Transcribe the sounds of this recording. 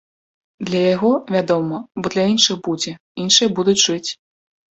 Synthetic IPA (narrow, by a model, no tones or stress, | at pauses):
d̪lʲɐjaɣɔvʲad̪ɔmɐbɔd̪lʲɐinʂɨxbud͡zʲɛ | inʂɨjɐbud̪ut͡sʲʐɨt͡sʲ